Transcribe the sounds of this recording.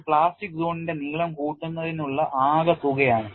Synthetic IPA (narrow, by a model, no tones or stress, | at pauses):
pɭaːsʈik̚zoːninde̞niːɭɐmkuːʈːunːɐðinuɭːɐʔaːɣɐt̪uɣɐjaːɳɨ